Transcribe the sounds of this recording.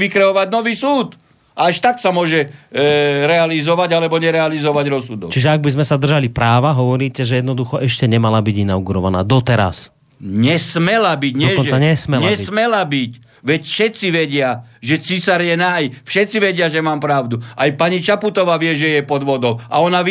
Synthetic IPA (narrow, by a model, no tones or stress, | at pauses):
ikɾɛɔʋaɟnɔʋiːsuːt̪ | aaʃt̪aksamʊɔʒɛ | ɾɛalizɔʋaɟalɛbɔɲɛɾɛalizɔʋaɟɾɔsud̪ɔ̰kt͡ʃiʒɛaɡ̚bizmɛsad̪r̩ʒalipɾaːʋaɦɔʋɔɾiːcɛʒɛjɛd̪nɔd̪uxɔʔɛʃcɛɲɛmalabiɟinawɡuɾɔʋana̰ːd̪ɔt̪ɛɾa̰s | ɲɛsmɛlabiɟɲɔɛkɔnt͡saɲɛsmɛlɲaɛsmɛlabic | ʋɛcfʃɛt͡siʋɛɟɪaʒɛt͡sisaɾjɛnajfʃɛt͡siʋɛɟɪaʒɛmaːmpɾaʊd̪uʔajpaɲit͡ʃaput̪ɔʋaːʋɪɛʒɛjɛpɔd̪ʋɔd̪ɔʊaɔnaʋ